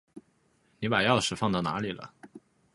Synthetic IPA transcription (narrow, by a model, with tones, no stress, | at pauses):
ni˧˥pa˨˩jɑ˥˩ʊʂɻ̩˨˩fɑ˥˧ŋt͡s̪ɑ˥˩na̰˧˥li˨˩lə̰˧˦